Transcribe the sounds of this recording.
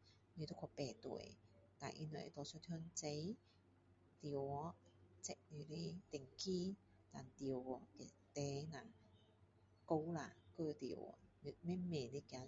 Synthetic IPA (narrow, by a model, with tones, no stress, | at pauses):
ne˧t̪o˥kʰɔ˧pɛː˨˩t̪ṵ˨˩˨j | t̪a̰ː˨˩jʔi˧nɔ̰˨˩ḛ˨t̪ɔ˨˧˩sʰɔ˥tʰhø˥nt͡se˨˧˥j | t̪i˨wɔ˨˧˦t͡sɛ˧˥k̚ni˧˩le˧t̪ɪ˨˩ŋkiː˥ | t̪aː˨nt̪i˨wɔ˧kɛ˧˩ | t̪ɛː˨˦naː˧˩ | ko˧˥wla˨˧køː˥˧˩t̪ḭ˨˩wɔ̰˨˧ne˧mɛː˥mɛː˨˩ni˦ka˨˧